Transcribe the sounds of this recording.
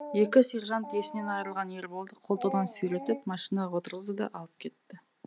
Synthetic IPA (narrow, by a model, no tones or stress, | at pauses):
je̞kʲɪseɾʒɑnt̪ʰesɪne̞nɑjɾəlˠʁɑne̞ɾbo̞lˠd̪əqʰolˠt̪əwd̪ɑnsɵjɾe̞t̪ɪpmɑʃinɑwo̞t̪əɾʁəzəd̪ɑ̰ʔɑlˠəp̚kʲʰe̞t̪ːɪ